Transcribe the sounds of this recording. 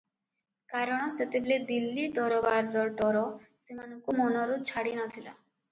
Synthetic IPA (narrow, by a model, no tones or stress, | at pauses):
kaɾɔɽ̃ɔset̪ebled̪ilːid̪ɔɾɔbaɾːɔɖɔɾɔ | simanɔŋkumɔnɔɾut͡ʃʰaɽinɔt̪ʰila̰